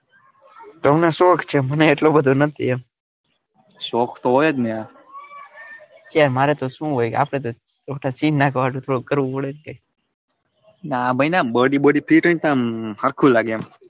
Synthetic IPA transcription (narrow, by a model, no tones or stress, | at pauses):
t̪oɦəmnesoːkʰt͡ʃʰeməneːʈlobəd̪ʱonət̪ʰḭem | sokʰt̪oɦojet̪niã | k̪jaɾmaɾet̪oʃũɦojka̰ːpɽ̃et̪̬o | t͡ʃoʈʰasiːnnakəʋaʈũt̪ʰoɽokəɾʋũpəɭenkaj | nabʱəjnabəɽibəɽipʰiʈəĩt̪ãmhəɾkʰulaɡem